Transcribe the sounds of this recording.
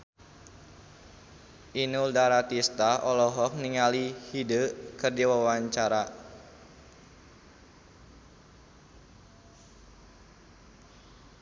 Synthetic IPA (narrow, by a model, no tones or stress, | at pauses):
ʔinuldaɾat̪ist̪aʔɔlɔɦɔk̚niŋalihidəʔkɨrdiwawaɲt͡ʃaɾa